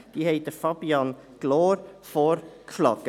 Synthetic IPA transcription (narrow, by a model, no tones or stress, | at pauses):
d̥iːhɛɪt̚d̥əfɑbiɑnɡ̥lɔːɾfɔɾkflɑkə